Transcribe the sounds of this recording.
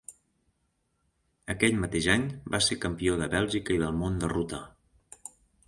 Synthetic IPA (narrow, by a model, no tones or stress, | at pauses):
əkɛʎmət̪eʒaɲbasekəmpioðəβɛlˠʒikəiðəlˠmond̪ərut̪ə̰